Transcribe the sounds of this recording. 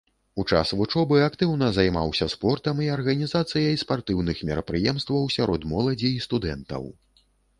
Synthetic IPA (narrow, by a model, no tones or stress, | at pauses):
ut͡ʂa̰svut͡ʂɔbɨakt̪ɨwn̪ɐzajma̰wsʲɐspɔrt̪ɐmiɐrɣɐnʲizat̪sɨjɐjspart̪ɨwnɨxmʲɛɾɐpɾɨjɛmst̪vɐwsʲaɾʔɔd̪mɔlˠɐd͡zʲiːst̪ud̪ɛnt̪ɐ̰w